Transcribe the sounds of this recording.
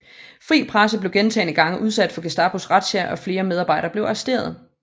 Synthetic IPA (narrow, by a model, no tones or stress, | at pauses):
fʁḭːpʰʁas̬əb̥le̝ʊɡ̥ent͡sʰɛ̰ɪnəɡ̥ɑ̈ŋəʔuð̞ˠsæd̥fɒ̽ɡ̥e̝sd̥ɑ̈b̥osʁɑd̥sæʔɒ̽fle̝ːɐmeð̞ˠɑ̈ːb̥ɑ̈ɪɾɐːb̥le̝ʊɑsd̥e̝̰ːɐð̞̩ˠ